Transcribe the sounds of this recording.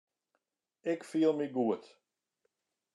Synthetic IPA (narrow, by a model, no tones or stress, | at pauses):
ɪkfiəlˠmiɡuət